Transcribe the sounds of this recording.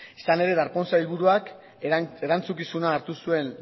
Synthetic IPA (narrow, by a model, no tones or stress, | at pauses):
isane̞ɾe̞ðaɾpo̞nsailβuɾuak | e̞ɾant͡sukisunaːɾt̪usue̞n